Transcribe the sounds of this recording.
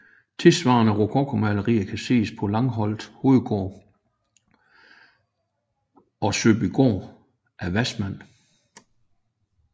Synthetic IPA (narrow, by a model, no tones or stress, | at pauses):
t͡sʰe̝lsʋɑ̰̈ːnəʁokʰɒːkʰomæləʁiːɐkʰæse̝̰ːspʰɒ̽lɑ̈ŋɦɒ̽l̰d̥ho̝ːð̩ˠɡ̥ɔ̰ː | ɒ̽søb̥iɡ̥o̰ː | ʔæʋæsmæn̰